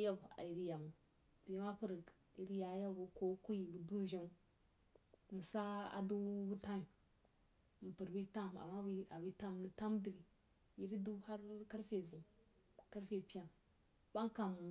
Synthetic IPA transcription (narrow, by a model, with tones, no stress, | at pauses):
ja˦ba̰˨ji˨ɾi˦ja˨mu˨ | bi˨˦ma˦pu˦˨ɾ | i˨ɾi˦ja˨˦ja˦bu˨ko˦ku˦ji˨bu˨du˦ʒi˦m˦˨ | n˨sa˦a̰˨du˦ɡu˦ta˦mi˨ | m̩˨pu˨ɾbi˦ta˦m˨a̰˨mːa˦bi˦a˨bi˦ta˦˨m˨ni˦˨ta˦mdi˨ɾi˨ | ji˦ɾi˦du˦ha˦ɾka˦ɾfe˨zu˨ | ka˦ɾfe˨pi˦a˨n | ba˦ŋka˨m˨